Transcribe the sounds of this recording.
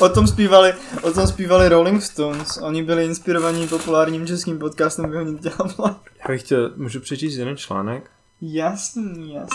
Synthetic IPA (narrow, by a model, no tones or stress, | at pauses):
ʔot̪omspiːvalɪʔot̪omspiːvalɪɾolɪŋkst̪onsʔo̞ɲɪbɪlɪɪnspɪɾovaɲipo̞pulaːɾɲiːmt͡ʃɛskiːmpot̪kaːst̪ɛmbɪɦoɲɛt̪ɟɛlablajaːbɪxcɛlmuʒupr̥ɛt͡ʃiːst̪jɛdɛnt͡ʃla̰ːnɛk | jasɲijas